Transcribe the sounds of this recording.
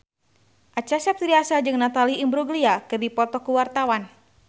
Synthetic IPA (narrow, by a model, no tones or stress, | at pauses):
ʔat͡ʃasɛp̚t̪ɾiasad͡ʒɨŋnat̪aliːmbɾuɡliakɨrdipɔt̪ɔkuwart̪awan